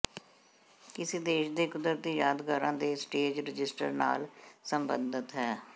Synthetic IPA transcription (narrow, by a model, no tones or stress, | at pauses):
kɪseːd̪eːʃd̪eːkʊd̪əɾt̪iːjaːd̪ɡaːɾãːd̪eːsʈeːd͡ʒɾɪd͡ʒɪsʈəɾna̰ːlsəmbə̰̃nd̪ət̪ɦɛː